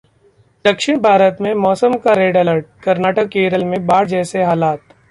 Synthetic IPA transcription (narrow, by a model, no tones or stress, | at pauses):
d̪̥ɐkʃɪɽ̃bʱaːɾət̪mẽmɔːsəmkaɾeːɖɐləɾʈ̚kɐɾnaːʈəkːeːɾəlmẽbaːɽd͡ʒɛːseɦaːlaːt̪